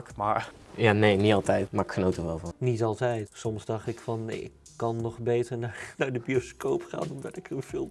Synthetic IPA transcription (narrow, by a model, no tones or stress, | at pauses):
kmaɹjaːneːnitɑlˠtɛjtmaɹɪkxənotəʋɛlˠvɑnnitɑlˠtɛjtsɔmszdɑχtɪkfɑnɪkːɑnːɔχbejtəɹnaːɹnaːɹdəbioskowpχa̰ːnɔmdɑtɪkhəfɪːlˠ